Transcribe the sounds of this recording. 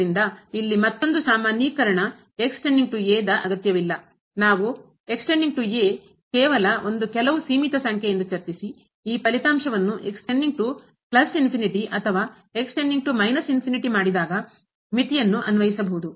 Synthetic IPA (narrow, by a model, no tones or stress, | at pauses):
ind̪ɐilːimɐt̪ːo̞nd̪usaːmaːnjikɐɾɐɳɐ | eksʈeɳɖiŋɡʈujeːd̪ɐʔɐɡɐt̪jɐʋilːɐ | naːʋu | e̞ksʈeɳɖiŋɡ̚ʈujeː | kɛːʋɐlɐo̞nd̪ukɛlɐʋusiːmit̪ɐsɐŋkʰjejend̪ut͡ʃɐɾt͡ʃisi | iːpɐlit̪aːmʂɐʋɐnːuʔe̞ksʈeɳɖiŋɡ̚ʈu | plɐsinpʰiniʈiʔɐt̪ʰɐʋaː | eksʈeɳɖiŋɡʈumɐjnɐsinpʰiniʈimaːɽid̪aːɡɐ | mit̪ijɐnːuʔɐnuʋɐjisɐbɐɦud̪u